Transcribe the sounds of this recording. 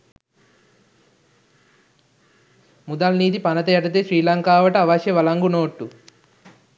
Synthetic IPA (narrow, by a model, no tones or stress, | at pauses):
mud̪aːlniːt̪̬ipɐnɐt̪ejɐʈɐt̪̬eːsɾiːlaːŋkaːʋɐʈɐʋaːʃeʋɐlaːŋɡunoːʈːu